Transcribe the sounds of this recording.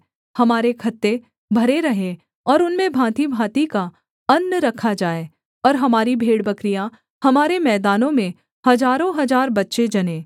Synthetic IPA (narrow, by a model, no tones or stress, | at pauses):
hɐmaːɾekʰɐt̪ːe | bʱɐɾeɾɐɦẽ | ɔːɾʊnmẽbʱãːt̪ibʱãːt̪ika | ɐnːɾɐkʰːad͡ʒaːe | ɔːɾɦɐmaːɾibʱeːɽbɐkɾija | hɐmaːɾemɛːd̪aːnõmẽ | hɐzaːɾõɦɐzaːɾbɐtːʃed͡ʒɐnẽː